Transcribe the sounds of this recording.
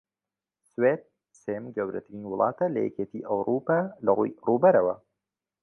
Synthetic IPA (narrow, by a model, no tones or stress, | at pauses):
sweːd̪̚ | seːmɡɐwɾɐ̰t̪ʰɾiːnwʊlˠʔɑ̰ːt̪ʰɐlɐ̰jɛ̰cet̪ʰiʔɐwɾʔuːpaːlɐrujrubɐɾɐwɐ̰